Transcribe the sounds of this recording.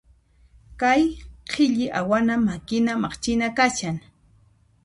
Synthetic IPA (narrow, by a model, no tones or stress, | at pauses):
kajqʰɪʎɪʔawanamakɪnamɑχt͡ʃɪnakaʃaŋ